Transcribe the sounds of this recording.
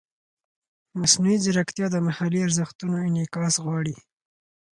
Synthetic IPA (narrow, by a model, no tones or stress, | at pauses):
masnuizɪɾakt̪jɑd̪əmahaliaɾzəxt̪unoɪnɪkɑsɣwɑɽi